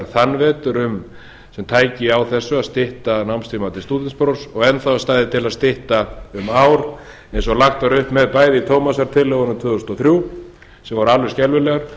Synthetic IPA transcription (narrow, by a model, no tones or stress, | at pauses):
ɾθanvɛːt̪ʏɾʏm | sɛmt̪ʰaːjcɪawθɛsːʏaðst̪ɪht̪anawmst̪ɾimat̪ɪ̥st̪uːt̪ɪnspɾoːwsɔɣɛnθawast̪aːjðɪt̪ʰɪlaðst̪ɪht̪aʏmaːwɾ | ɛnsɔɣlaxt̪aɾʏhpmɛðpaːjðɪit̪ʰoːwmasaɾ̥t̪ʰɪlːɛɣɔnʏmt̪ʰvʏːðost̪ɔθɾju | sɛmvɔɾalvʏɾscɛlvʏlɛɣaɾ̥